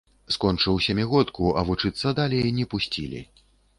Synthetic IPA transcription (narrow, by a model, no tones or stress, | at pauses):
skɔnt͡ʂɨwsʲɐmʲɛɣɔt̪kuʔɐvut͡ʂɨt̪sːɐd̪alʲɛjnʲɛpusʲt͡sʲḭlʲḭ